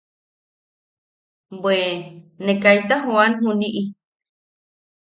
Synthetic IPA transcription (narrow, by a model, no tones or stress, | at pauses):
bwenekajt̪aɦuanɦuniʔi